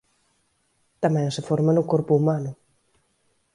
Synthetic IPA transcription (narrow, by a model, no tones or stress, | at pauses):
t̪amɛ̃ŋsefoɾmanʊkoɾpuumanʊ